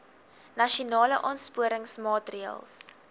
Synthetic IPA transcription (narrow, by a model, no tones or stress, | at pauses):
nɐʃiunɑːləʔɑːnspuəɾəŋsmɑːtriə̰lˠs